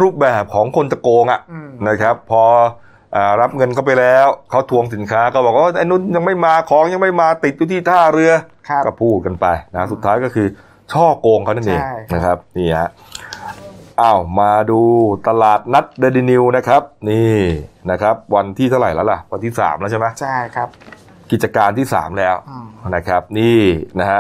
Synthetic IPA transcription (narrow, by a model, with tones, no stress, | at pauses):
ɾuː˥˩p̚bɛː˨˩p̚kʰɔː˩˦ŋkʰo˧nt͡ɕa˨˩koː˧ŋʔa˨˩ʔna˦˥kʰɾa˦˥pʰːɔː˧ | ʔaː˨˩ɾa˦˥p̚ŋɤ˧nkʰa˥˩pa˧jlɛː˦˥wkʰa˦˥wt̪ʰu˧əŋsi˨˩˦nkʰaː˦˥ka˥˩bɔː˨˩k̚wʔaː˥˩ʔa˧jnu˦˥nja˧ŋma˥˩jmaː˧kʰɔː˨˦ŋja˧ŋma˥˩jmaː˧t̪i˨˩t̪̚juː˧t̪ʰiː˥˩t̪ʰaː˥˩ɾɯ˧ɐkkɔː˥˩pʰuː˥˩t̪̚ka˧npa˧jna˦˥su˨˩t̪ʰːaː˦˥jkɔː˥˩kʰɯː˧ | t͡ɕʰɔː˥˩koː˧ŋkʰa˦˥˩na˥˩nʔḛː˧˩ŋna˦˥kʰa˦˥p̚niː˥˩a̰˨˦˩ | ʔaː˧˩wmaː˧duː˧t̪a˧laː˨˩t̪̚na˦˥t̪̚deː˧diː˧ni˧wna˦˥kʰɾa˦˥p̚niː˥˩na˦˥kʰa˦˥p̚wa˧nt̪ʰiː˥˩t̪ʰa˥˩wɾa̰˨˩jlɛː˦˥wla˨˩wa˧nt̪ʰiː˥˩sa̰ː˩˦mlɛ˦˥t͡ɕʰa˥˩ma˦˥t͡ɕʰ | ki˨˩t͡ɕa˧kaː˧nt̪ʰiː˥˩sa̰ː˩˦mlɛː˦˥wna˦˥kʰɾa˦˥p̚niː˥˩na˦˥ɦa˦˥